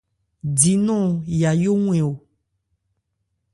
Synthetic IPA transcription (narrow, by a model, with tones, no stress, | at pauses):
di˨nɔ̃˦ja˨jo˦ŋũ˦ẽ˨wo˨